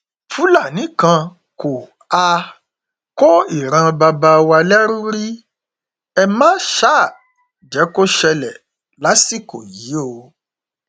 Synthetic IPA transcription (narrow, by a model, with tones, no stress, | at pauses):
fu˨˦la˦˨nĩ˨˦kã˧ | ko˨ | a˧ | kɔ˦i˦˨ɾ̃ã˧ba˧ba˧wa˧lɛ˦ɾu˦ɾi˦ | ɛ˧mã˦ʃa˦˨ | d͡ʒɛ˨˦ko˦ʃɛ˧lɛ˨ | la˨˦si˦˨ko˨ji˨˦o˧